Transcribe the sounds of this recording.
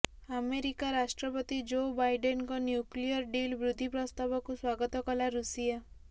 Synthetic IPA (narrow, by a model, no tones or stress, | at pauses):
ameɾikaɾasʈɾɔpɔt̪id͡ʒobajɖenɔkɔnjuklijɔɾɖilbɾud̪ʱipɾɔst̪abɔkuswaɡɔt̪ɔkɔlaɾusija